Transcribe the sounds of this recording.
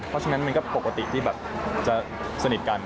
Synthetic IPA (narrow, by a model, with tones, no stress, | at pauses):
pʰɾɔ˦˥t͡ɕʰa˧ŋna˦˥nma˧nkɔː˥˩po˨˩ka˧t̪ḭ˨˩t̪ʰiː˥˩bɛː˨˩p̚t͡ɕa˨˩ | sa˧ni˨˩t̪̚ka˧n